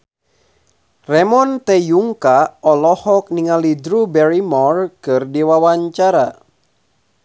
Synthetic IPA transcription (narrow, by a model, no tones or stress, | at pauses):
rɛmɔnt̪ɛjuŋkaɔlɔhɔk̚niŋalidɾubɛɾimɔrkɨrdɛwawaɲt͡ʃaɾa